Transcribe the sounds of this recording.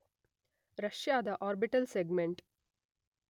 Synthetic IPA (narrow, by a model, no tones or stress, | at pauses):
ɾɐʃjad̪əʔɔːɾbɪʈəlseɡmẽɳʈ